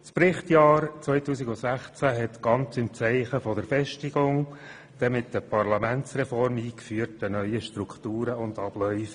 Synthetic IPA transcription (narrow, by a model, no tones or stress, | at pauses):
sprɪχtjɑːɾt͡sʋœʏtuːsɪɡʊsæχt͡sæɦɛt̪ɡ̥ɑnt͡sɪmt͡sɛɪχəfɔdəɾfɛʃtɪɡ̥ʊŋ | d̥ɛmɪtdəpʰɑrlɑmænt͡srɛfɔrmiːkfyːəɾtənœʏəʃtrukχtuːɾəʊndɑb̥lœʏf